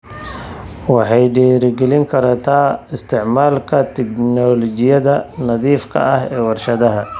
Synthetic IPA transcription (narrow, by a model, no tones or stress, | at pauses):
wɑħɑjɖɛːɾɪɡɛlɪŋkʰɐɾɐt̪ʰaːɪst̪ʰɪʕmaːlkʰɐt̪ʰɪknɔlɔt͡ʃɪjɐðɐnɐðiːfkʰɐ̰ɐhɛːwɑrʃɐðɐɦɐ